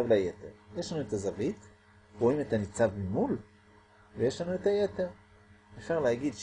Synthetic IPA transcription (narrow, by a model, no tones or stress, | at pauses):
avlajeteʁjeʃlanuetazavit | ʁoime̞tanit͡savmimul | veje̞ʃlanue̞taje̞te̞ʁ | efʃaʁlehaɡidʃ